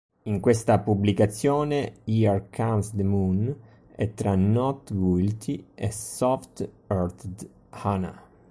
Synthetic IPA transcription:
iŋkwest̪apublikat̪sːjɔːneiarkʰansd̪emun | ɛ̰t̪ːɾanɔt̪ɡilt̪ʰiɛsɔft̪ | ɔɾt̪ | hana̰

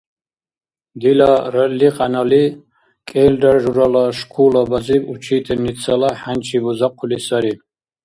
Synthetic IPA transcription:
d̪ilaɾalːiqʼanali | kʼɛːldarʒuɾalaʃkʰulabaziput͡ʃʰiːt̪ʰɛnit͡sʰalaħant͡ʃʰibuzaqʷʰulisaɾi

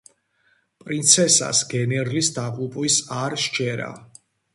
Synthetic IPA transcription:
pʼɾint̪sʰɛsa̰sɡɛnɛɾlisd̪aqʼupʼwisaɾʃt͡ʃʰɛɾa̰

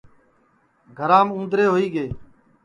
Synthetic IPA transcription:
ɡʱəɾãːmũːd̪ɾeːɦoːiːɡeː

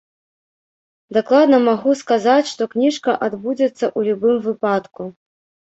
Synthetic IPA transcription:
d̪aklˠad̪nɐmaɣuskazat͡sʲʂt̪ɔknʲiʂkɐʔad̪bud͡zʲɛt̪sːɐʔulʲubɨmvɨpat̪ku

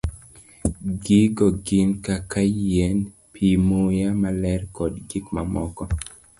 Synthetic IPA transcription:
ɡiɡɔɡɪnkakajɛn | pʰimojamalɛɾkɔdɡikmamɔkɔ

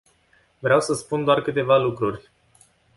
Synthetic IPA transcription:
vɾeawsəspund̪oarkɨt̪e̞valukɾurʲ

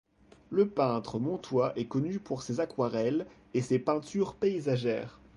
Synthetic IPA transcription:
ləpɛ̃t̪χəmɔ̃t̪waʔɛkɔnypʰuʁsezakwaʁɛl | esepɛ̃t̪yʁpeizaʒɛːʁ

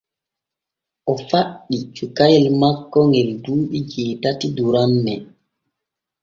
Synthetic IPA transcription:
ʔɔfaɗːit͡ʃukajɛlmakːɔŋɡɛlduːɓid͡ʒɛːtatiduɾanːɛ

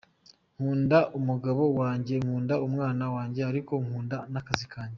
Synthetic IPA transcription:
ŋ̥huːndaʔumuɡaβo̞waːɲɟe̞ŋhuːndaumŋaːnawaːɲɟe̞aɾiko̞ŋhuːndanakazikʰaːɲɟe

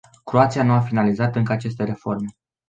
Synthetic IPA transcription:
kɾoat̪sijanuafinalizat̪ɨŋkəat͡ʃe̞st̪e̞ɾe̞fo̞rme̞

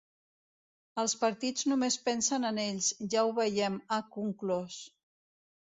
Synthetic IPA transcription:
əlˠspəɾt̪id͡znumespɛnsənəneʎzʒauβəjɛməkuŋklos

